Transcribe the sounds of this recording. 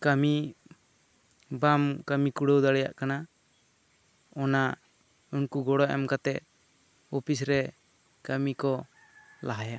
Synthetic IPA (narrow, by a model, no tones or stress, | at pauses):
kami | bamkamikuɽəwd̪aɽɛja̰ʔkana | ɔna | unkuɡɔɽɔʔɛ̰mkat̪ɛʔ | ɔpʰisɾɛ | kamikɔ | laɦaja